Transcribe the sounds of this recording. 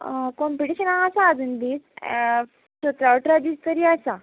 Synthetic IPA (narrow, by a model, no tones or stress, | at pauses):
kɔmpiʈiɕənaɦasaːd͡zund̪iːs | ɕot̪ɾaʋʈəɾad̪iːst̪əɾiːasa